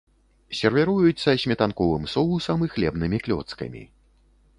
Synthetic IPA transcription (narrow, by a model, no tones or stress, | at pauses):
sʲɛrvʲɛɾujut̪sːɐsʲmʲɛt̪ankɔvɨmsɔlˠusɐmɨxlʲɛbnɨmʲiklʲɔ̰t̪skɐ̰mʲḭ